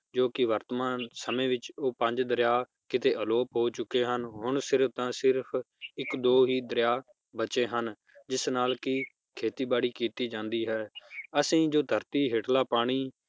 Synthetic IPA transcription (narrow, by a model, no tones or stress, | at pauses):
d͡ʒoːkɪʋəɾt̪mãːnsəmẽːʋɪt͡ʃoːpə̃ɲd͡ʒd̪əɾjaː | kɪt̪eːʔəloːpɦoːt͡ʃʊkːeːɦənɦʊɳsɪɾpt̪ãːsɪɾpʰ | ɪkd̪oːɦiːd̪ɾɪjaː | bət͡ʃeːɦən | d͡ʒɪsnaːlkɪ | kʰeːt̪iːbaːɽiːkiːt̪iːd͡ʒãːnd̪iːɦɛːəsĩːd͡ʒoːd̪ʱəɾt̪iːɦeːʈlaːpaːɽ̃iː